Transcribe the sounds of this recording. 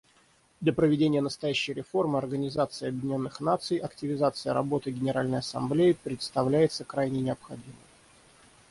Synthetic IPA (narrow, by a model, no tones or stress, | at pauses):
d̪lʲəpɾəvʲɪdʲenʲɪjənəst̪ɐjæɕːɪjɾʲɪfo̞rmɨɐrɡənʲɪzat̪sɨɪɐbjɪdʲɪnʲo̞nːɨxnat̪sɨjʔɐktʲɪvʲɪzat̪sɨjə̰ɾɐ̰bo̞t̪ɨɡʲɪnʲɪɾalʲnəjɐsɐ̰mblʲejɪpɾʲɪt̪st̪ɐvlʲæjɪt̪səkɾajnʲɪnʲɪɐpxɐdʲimɨ̰m